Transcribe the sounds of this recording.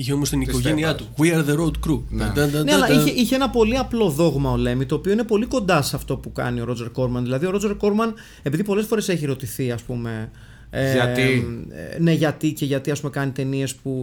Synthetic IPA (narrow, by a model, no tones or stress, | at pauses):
içeomost̪inikoʝeniɐt̪uɣwiɐɾðeɾod̪kɾund̪d̪neɐlɐiçeiçee̞nɐpo̞liɐplo̞ðo̞ɣmɐole̞mit̪o̞ːpio̞ine̞po̞liko̞nd̪ɐsɐft̪o̞pukɐ̰nio̞ɾo̞d͡ze̞ɾko̞ɾmɐnðilɐðio̞ɾod͡ze̞ɾko̞ɾmɐn | e̞piðipo̞lsfo̞ɾe̞se̞çiɾo̞t̪iθiɐspume̞ | ɐt̪ḭ | ne̞ʝɐt̪ice̞ʝɐt̪iɐs̬pumekɐnit̪e̞nie̞spu